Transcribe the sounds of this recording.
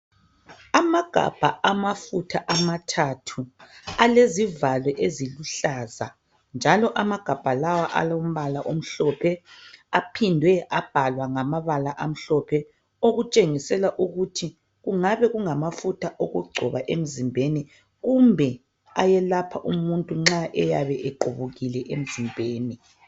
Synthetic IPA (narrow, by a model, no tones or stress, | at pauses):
amaɡ̥ʱa̰b̥ʱaamafutʰaʔamatʰatʰualezivalwɛʔeziluɬaːza̰ | nd͡ʒʱalɔʔamaɡ̥ʱab̥ʱalawaʔa̰lom̩βalaʔom̩ɬɔpʰɛapʰindʱwɛʔab̥ʱalwaŋamaβalaʔam̩ɬɔpʰɛ | oɣut͡ʃʼeŋisɛlaʔuɣutʰi | ɣuŋaβɛɣuŋamafutʰaʔoɣṵɡ͡ǃʱɔβaʔem̩zimbʱeni | ɣumbʱɛ | ajɛlapʰaʔumuntʼuŋ͡ǁaʔɛjaβɛʔɛɡ͡ǃʱuβuɣilɛʔem̩zimbʱeːni